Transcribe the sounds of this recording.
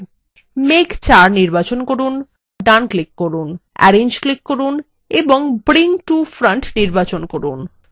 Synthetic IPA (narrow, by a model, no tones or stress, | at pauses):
mekt͡ɕaɾniɾbat͡ɕonkoɾun | ɖanklikːoɾunɛ̰ɾeɲd͡ʑklikːoɾun | eboŋbɾiŋʈufɾaɳʈniɾbat͡ɕonkoɾṵn